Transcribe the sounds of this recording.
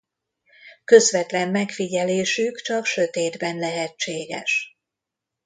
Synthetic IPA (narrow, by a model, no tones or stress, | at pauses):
kø̞zʋɛt̪lɛmːɛkfiɟɛleːʃykt͡ʃɒkʃø̞t̪eːd̪bɛnlɛɦɛt͡ʃːeːɡɛ̰ʃ